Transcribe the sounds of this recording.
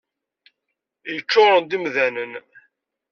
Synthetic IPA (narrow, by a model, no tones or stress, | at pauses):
jət͡ʃːoʁɾˤənd̪imðænən